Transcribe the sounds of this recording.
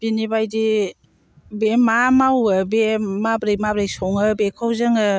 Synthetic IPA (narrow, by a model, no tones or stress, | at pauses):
b̥inibajdi | bemamawɯbemabɾɯjmabɾajsɔŋɯbekʰawzɯŋɯ